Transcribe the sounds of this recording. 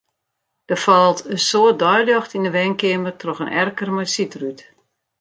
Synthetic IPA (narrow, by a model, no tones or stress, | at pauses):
d̥əfɔlˠtəsoət̚dɔjlɔxtindəʋɛnkɪəmərtrɔxənʔɛrkərmɔjsitryt